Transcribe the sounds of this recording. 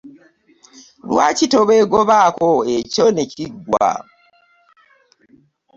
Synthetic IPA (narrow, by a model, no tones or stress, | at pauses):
lwaːcitoβeɡoβaːkoeco̞ne̞ciɡwa̰